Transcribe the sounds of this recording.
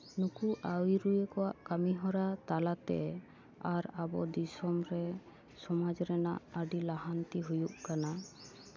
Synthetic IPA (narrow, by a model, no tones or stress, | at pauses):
nukuʔawiɾujekɔwaʔkamiɦɔɾat̪alat̪ɛ̰ | aɾabɔ̰d̪isɔmɾɛ | sɔmad͡ʒɾɛna̰ʔaɖilaɦant̪iɦujuʔkana